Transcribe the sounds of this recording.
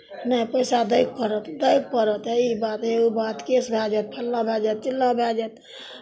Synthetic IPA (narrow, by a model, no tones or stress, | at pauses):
nəipəjsad̪əjk̚pəɾət̪d̪əjk̚pəɾət̪ɦɛibat̪ɦeubat̪kesbʱad͡ʒɛt̪̚pʰəlːãbʱɛd͡ʒɛt̪̚t͡ʃilːãbʱɛd͡ʒɛt̪